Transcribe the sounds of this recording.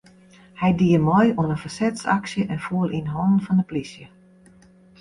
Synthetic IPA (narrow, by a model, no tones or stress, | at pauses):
hɛjdiəmɔjuənənfərsɛtsa̰ksjəʔɛnfuəlinɦɔnn̩fɔndəplisjə